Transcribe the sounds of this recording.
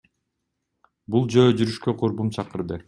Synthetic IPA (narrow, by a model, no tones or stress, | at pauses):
bulˠd͡ʒø̞ːd͡ʒyɾyʃkøqʰoɾbumt͡ʃʰɑqɯɾd̪ɯ